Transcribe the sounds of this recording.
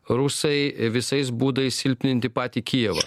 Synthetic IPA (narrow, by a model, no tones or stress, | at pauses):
ɾʊsɐɪʋʲɪsɐɪsbuːd̪ɐɪssʲɪlʲpʲnʲɪnʲt̪ʲɪpɑːt̪ʲiːkʲiɛʋɐ̰